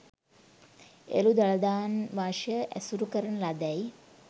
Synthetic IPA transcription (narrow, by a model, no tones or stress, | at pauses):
ḛlud̪alɐd̪aːnʋaːʂjəʔæ̰suɾukəɾənəlad̪ɛj